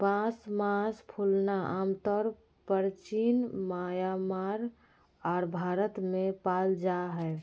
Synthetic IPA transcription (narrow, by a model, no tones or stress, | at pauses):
pãsmãspʰulnaʔamt̪ɔɾ | pəɾt͡ʃinmajamaɾ | ɔːɾbʱaɾət̪mẽpald͡ʒaɦɛ